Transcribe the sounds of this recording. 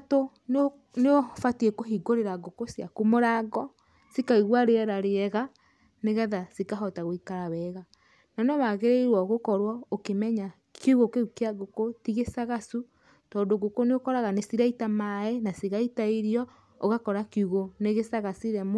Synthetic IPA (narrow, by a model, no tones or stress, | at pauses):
to | no | neofatiekoɦiɡoɾeɾaɡokosjakumoɾaːɡɔ | sikaiɣwaɾeɛɾaɾeɛɣa | neɣɛðasikaɦɔtaɣoikaɾawɛɣa | nanomaɣeɾeiɾwɔɣokɔɾwɔokemɛɲa | keuɣokeukeaɡokotiɣesaɣasu | tɔːndoɡokoneokɔɾaɣanesiɾaitamaɛnasiɣaitaiɾiɔ | oɣakɔɾakuɣoneɣesaɣasiɾɛm